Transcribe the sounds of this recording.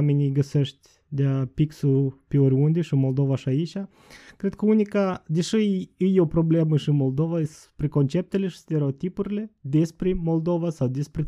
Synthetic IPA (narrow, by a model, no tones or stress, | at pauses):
menʲiɡəseʃt̪ʲ | d̪eapiksupeoɾʲund̪eʃimo̞ld̪o̞vaʃiait͡ʃʲa | kɾed̪̚kəunʲikad̪eʃɨɨjopɾo̞ble̞məʃiɨnmo̞ld̪o̞vas | pɾeko̞nt͡ʃe̞p̚t̪eleʃi̥st̪eɾeot̪ipuɾʲile̞d̪espɾemo̞ld̪o̞vasawd̪espɾʲe